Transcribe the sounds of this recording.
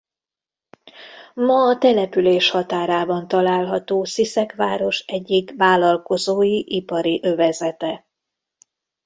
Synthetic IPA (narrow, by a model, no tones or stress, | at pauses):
mɒːt̪ɛlɛpyleːʃhɒt̪aːɾaːbɒnt̪ɒlaːlɦɒt̪oːsisɛkʋaːɾo̞ʃɛɟːikʋaːlɒlko̞zoːjiʔipɒɾiʔøvɛzɛt̪ɛ